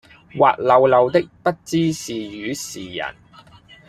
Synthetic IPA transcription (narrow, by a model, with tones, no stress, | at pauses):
wa̰ː˨t̚lɐ˨˧wlɐ˨˧wt̪ɪ˥k̚pɐ˥t̚t͡siː˥siː˨jyː˨˥siː˨˩jɐ̰˨˩n